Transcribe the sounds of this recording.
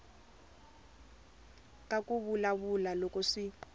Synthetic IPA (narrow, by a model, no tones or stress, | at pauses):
kʼakʼuβulaβulalɔkɔʂi